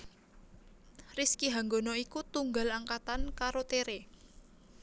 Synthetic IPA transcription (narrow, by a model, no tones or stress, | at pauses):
riskiɦaŋɡonɔikut̪uŋɡalaŋkat̪ankaɾot̪eɾe